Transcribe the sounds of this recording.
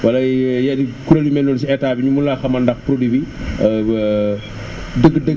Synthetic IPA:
wɐlɐjɐdikuɾɐlimɛnːɔlsiɛtaːbiɲumulaxɐmɐndɐxpɾodibi | dəɡdə

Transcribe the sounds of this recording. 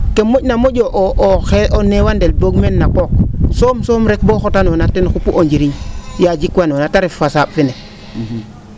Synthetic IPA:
kemːoɟnamoɟoʔoʔoxeʔonewandelboɡmenːakok̚somsomɾek̚boxotanonatenxupuʔoɲd͡ʒiɾiɲjad͡ʒikwanonataɾefasaɓfine

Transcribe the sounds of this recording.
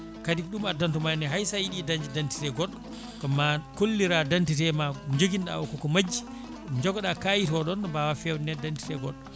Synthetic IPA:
kadikɗumadantɔmajnɛɦajsajiɗidaɲd͡ʒidanti̥tɛɡɔɗːɔ | kamːakolːiɾadantitɛmad͡ʒoɡinɗa̰wɔkɔkɔmad͡ʒːi | md͡ʒɔɡɔɗakajitɔɗɔnɔbawafɛwnɛdanti̥tɛɡɔɗːɔ

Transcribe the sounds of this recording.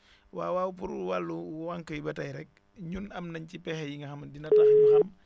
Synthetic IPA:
wa̰ːwawupṵɾuwalːuwaŋkəjibɐtajɾɛk̚ | ɲunɐmnɐɲcipɛxɛjiŋɡɐxɐmdinɐtaxmuxɐm

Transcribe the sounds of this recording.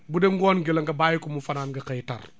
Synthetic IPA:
budɛŋɡɔːnɡilɐŋɡɐbaːjikɔmufɐnaːnɡɐkɛjta̰r

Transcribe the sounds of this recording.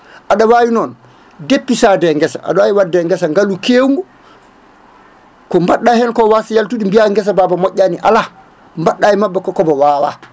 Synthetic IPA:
ʔaɗawaːwinɔn | depːisadɛŋɡɛsa̰ʔa̰dawajiwadːɛŋɡɛsaŋɡalukeːwŋɡu | kɔmbaɗːahɛnkɔwasijaltuɗimbiaŋɡɛs̬ababamɔʔːaniʔa̰la | mbaɗːajimabːakɔkɔbɔwaːwa̰

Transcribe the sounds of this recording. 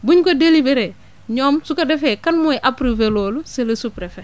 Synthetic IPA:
buɲkodelibeɾe | ɲoːmsukɐdefekɐnmuɛʔapɾuveloːluselɐsupɾefe

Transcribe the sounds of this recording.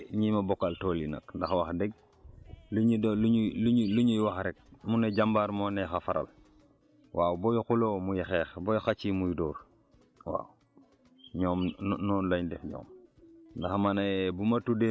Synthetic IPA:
ɲimabɔkːaltoːlina̰kndaxwaxdɛɡ̚ | luɲidluululuɲujwaxɾɛk̚muneɟambaɾmonɛxafaɾa̰l | waːwbɔjukulomujixɛːxbɔjɔxat͡ʃimujidɔːɾ | wa̰ːw | ɲɔːmnɔːnlaɲdɛfɲɔ̰ːmndaxmanabumatude

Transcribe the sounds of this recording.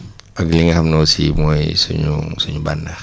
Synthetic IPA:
aɡiliŋaɦamnosḭmoisuɲuŋsuɲubana

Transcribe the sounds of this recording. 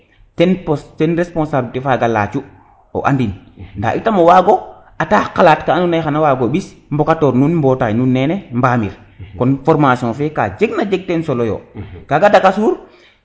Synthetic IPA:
tɛnpɔstɛnɾespɔ̃nsaːbltefaɡala̰ːt͡ʃu | o̰ʔa̰ndinnda̰ʔitamowaɡo | ataːkalaːtkaanunajxanawaɡoɓismbɔkatoːɾnunmbɔtajnunːɛnɛmbaːmḭɾ | kɔnfɔɾmasiɔ̃fɛka̰d͡ʒeɡnad͡ʒeɡ̚tɛnsolojo̰kaɡadakasuːɾ

